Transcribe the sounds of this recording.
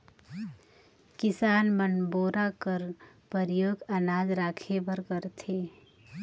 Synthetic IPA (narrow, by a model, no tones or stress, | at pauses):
kɪsaːnmənboːɾakəɾ | pəɾjoːɡənaːd͡ʒɾaːkʰebəɾkəɾt̪ʰeː